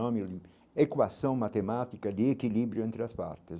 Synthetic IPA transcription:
ɔmi | ekwasõŋmat̪emat̪ikad̪iekilibɾjuʊẽnt̪ɾɪaspa̰ɾt̪ɪs

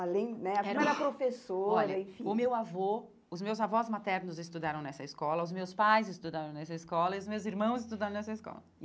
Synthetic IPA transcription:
alẽj̃nɛafimɛɾɐpɾofesoɾɐẽfĩʊmewavo | ʊzmewzavɔzmat̪ɛɾnʊzɪst̪ud̪aɾɐ̃w̃nɛsɐɪskɔlɐʊzmewspajzɪst̪ud̪aɾɐ̃w̃nɛsɐɪskɔlɐiʊzmewziɾmɐ̃w̃zɪst̪ud̪aɾɐ̃nɛsɐɪskɔ̰lɐ

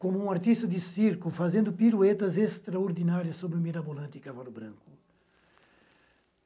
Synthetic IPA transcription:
kõmʊũaɾt̪ist̪ɐd̪ɪsiɾkufazẽnd̪ʊpiɾuet̪ɐzest̪ɾaoɾd̪inaɾjɐsːobɾɪʊmiɾabolɐ̃nt̪ɪikavalʊbɾɐ̰̃ŋkʊ̥

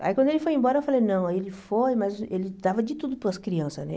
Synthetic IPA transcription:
a̰ikwɐ̃nd̪ʊelɪfojẽmbɔɾɐewfalejnɐ̃w̃ailɪfojmɐzelɪd̪avɐd͡ʒɪt̪ud̪ʊpʊɐskɾiɐ̃sɐnɛ̰

